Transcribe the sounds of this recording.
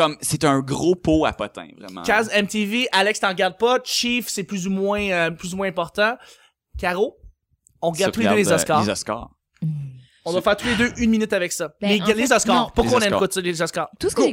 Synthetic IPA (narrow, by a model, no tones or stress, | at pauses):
kɔmset̪ə̃ɡʁopoa̰pɔt̪ɛ̰̃vʁɛ̰mɑ̰̃kʲazɛmt̪eveʔalɛkst̪ɑ̃ʁɡʲaʁd̪̚pɔʃifsɛplyzumwɛ̃øplyzumwɛ̃ɛ̃pɔʁt̪ɑ̃ | kʲaʁo | ɔ̃ʁəɡadt̪ːuled̪ølezɔskɑːzɔskɑ̰ːʁ | ɔ̃d̪wafɛːʁt̪uled̪øʔynminyt̪avɛksʌlelezɔskɑːʁpuʁkkwaɔ̃nɛmkwɔslezɔskɑːʁ